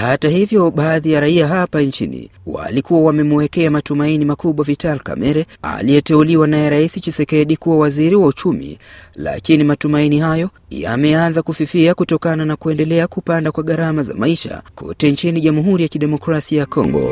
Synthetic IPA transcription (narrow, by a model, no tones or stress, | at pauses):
hatahivjɔɓaːðijaɾaiaɦapant͡ʃinḭwa̰likuwawamɛmuwɛkɛamatumainimakuɓwavitalka̰mɛɾɛa̰liɛtɛuliwanajɛɾaisit͡ʃɛsɛkɛɗikuwawaziɾiwaut͡ʃumḭla̰kinimatumainihajɔ | ja̰mɛanzakufifiakutɔkananakuɛndɛlɛakupandakwaɠaɾamaza̰maiʃa̰kʰɔ̰tɛnt͡ʃiniʄamuɦuɾijakiɗɛmɔkɾasiajakɔ̰ŋɡɔ̰